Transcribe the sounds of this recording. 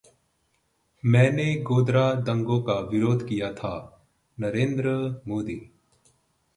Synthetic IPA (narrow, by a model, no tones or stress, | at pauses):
mɛ̃ːneɡoːd̪ɾad̪ɐ̃ŋɡõkaʋɪɾoːd̪ʱkijat̪ʰaː | nɐɾẽːnd̪ɾəmoːd̪iː